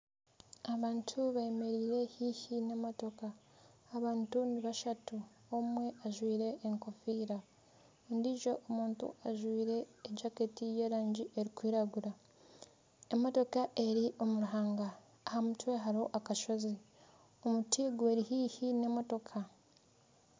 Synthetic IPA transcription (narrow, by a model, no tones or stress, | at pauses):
aβaːntʰuβaeme̞ɾiːɾe̞hiːhine̞mo̞to̞kaː | βaːntuniβaʃatu | omwe̞ʔaʒwiːɾe̞ʔːŋko̞fiːɾa | endiʒo̞ʔomuːntṵaʒwiːɾe̞ːd͡ʒaketije̞ːɾaːɲɟiʔeɾikwiːɾaɡuɾa | emːo̞to̞kaʔe̞ɾiʔo̞muɾuɦaːŋɡaː | hamutweɦaɾo̞ʔakaʃo̞zi | omutʰiːɡweɾihiːhine̞mo̞to̞kʰa